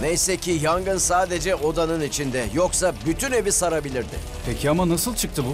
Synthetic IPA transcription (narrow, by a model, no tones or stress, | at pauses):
nejsɛcʰijaŋɡɯnsaːd̪e̞d͡ʒɛʔo̞d̪anɯnit͡ʃʰind̪ɛjo̞ksabyt̪ʰyne̞visaɾabilʲiɾd̪ɪ̰ | pʰecʰiamanasɯlˠt͡ʃʰɯk̚t̪ʰɯbu